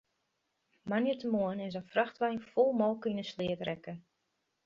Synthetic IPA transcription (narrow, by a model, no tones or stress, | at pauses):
manjətəmoənɪs̬ənfraxtʋɛjnfolˠmɔlˠkinəslɪətrɛkə